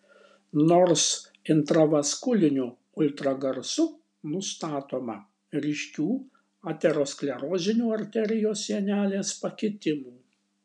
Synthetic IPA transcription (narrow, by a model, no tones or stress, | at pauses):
noːɾs | ɪnt̪ɾɐʋɐskʊlʲɪnʲuː | ʊlʲt̪ɾɐɡɐɾsʊ | nʊst̪ɑːt̪oːmɐ̰ | ɾʲiːʃʲkʲuː | ɑːt̪ʲɛɾoːsklʲɛɾoːzʲɪnʲuːɐɾʲt̪ʲɛɾʲɪjoːsʲːiɛnʲæːlʲeːspɐkʲɪt̪ʲɪmuː